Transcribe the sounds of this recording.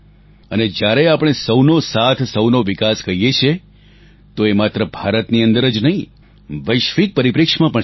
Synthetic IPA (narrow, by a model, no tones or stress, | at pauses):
əned͡ʒjaɾeapɽ̃esəwnosat̪ʰsəwnoʋikaskəɦijet͡ʃʰe | t̪oemat̪ɾəbʱaɾət̪niənd̪əɾəd͡ʒnəɦĩ | ʋəjʃʋik̚pəɾipɾɪkʂmãpə̃ɳ